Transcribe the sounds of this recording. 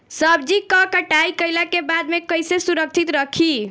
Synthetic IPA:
səbd͡ʒikəkəʈajkəjlakebad̪mekəjsesuɾək̚t͡ʃʰit̪ɾəkʰi

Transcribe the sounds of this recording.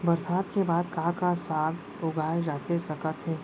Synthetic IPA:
bɐɾsaːd̪kebaːd̪kaɦkasaːɡ | ʊɡaːed͡ʒaːt̪esɐkət̪ɦɛː

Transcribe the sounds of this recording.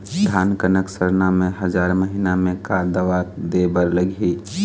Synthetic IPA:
d̪ʱaːnkənəksəɾnamẽɦəd͡ʒaːɾməɦinamẽkaːɾd̪əʋaːd̪ebəɾləɡʱiː

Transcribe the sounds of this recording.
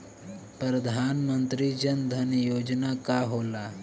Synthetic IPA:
pɾəd̪ʱaːnmənt̪ɾid͡ʒənd̪ʱɐnjoːd͡ʒnakaɦola

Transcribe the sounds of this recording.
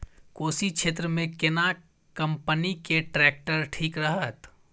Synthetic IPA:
koːsikʃʰeːt̪ɾəmẽkɪna | kə̃mpənikeʈɾɛːk̚ʈəɾʈʰiːkɾəɦət̪

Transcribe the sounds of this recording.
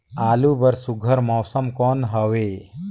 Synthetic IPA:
aːlubəɾsuɡʱəɾmɔːsəmkɔːnɦəʋe

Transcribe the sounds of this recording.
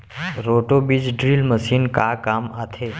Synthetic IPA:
ɾoːʈobid͡ʒɖɾiːlməsiːnkakaːmat̪ʰeː

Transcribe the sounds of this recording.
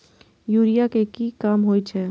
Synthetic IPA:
juːɾijakekiːkaːmɦoːit͡ʃʰɛː

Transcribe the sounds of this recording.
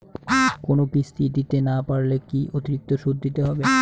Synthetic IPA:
konokist̪ʰid̪it̪enapaɾlekiʔot̪iɾik̚t̪oʃud̪ːit̪eɦɔbe

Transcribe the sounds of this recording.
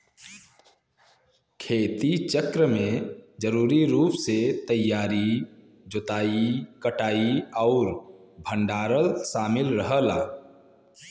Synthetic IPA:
kʰeːt̪it͡ʃəkɾəmẽd͡ʒəɾuːɾiɾuːpset̪əjːaːɾi | d͡ʒʊt̪aːikəʈaːiɔʊɾ | bʱə̃ɳɖaːɾəlʃaːmɪlɾəɦəlaː

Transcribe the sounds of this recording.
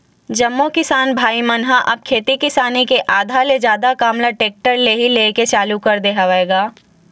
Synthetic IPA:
d͡ʒɐmːokɪsaːnbʱaːimɐnɦaʔɐb̚kʰeːt̪ikɪsaːnekeʔaːd̪ʱaled͡ʒjaːd̪akaːmlaʈeːk̚ʈəɾleːɦileːket͡ʃaːlukɐɾd̪eɦaʋaeːɡaː

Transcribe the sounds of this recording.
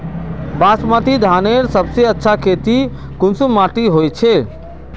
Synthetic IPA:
basmat̪id̪ʱaneɾsəbseətːʃʰakʰet̪i | kʊnsumaʈiɦojt͡ʃʰe

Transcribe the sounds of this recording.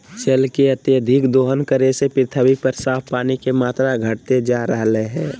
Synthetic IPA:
t͡ʃəlkeət̪jəd̪ʱɪkd̪oːɦənkəɾesepɪt̪ʰəwipəɾsaːpʰpaːnikemaːt̪ɾaɡʱəʈ̚t̪ed͡ʒaːɾəɦleɦɛ̃ː

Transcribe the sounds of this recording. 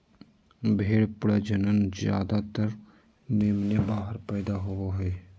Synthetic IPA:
bʱeːɽpʊɽed͡ʒənənzja̰ːd̪at̪əɾ | meːmnebaːɦəɾpɛːd̪aɦooɦɛː

